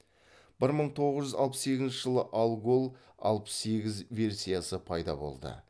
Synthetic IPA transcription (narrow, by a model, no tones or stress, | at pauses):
b̥ɪɾməɴt̪ʰo̞ʁəzʒʏzɑ̰lˠpəsːekʲɪznʃɪʒəlˠəʔalˠɡolˠ | ɑ̰lˠpə̥sːe̞ɡʲɪzvʲe̞rsʲijasəpʰɑjd̪ɑ̰bo̞̰lˠd̪ə̰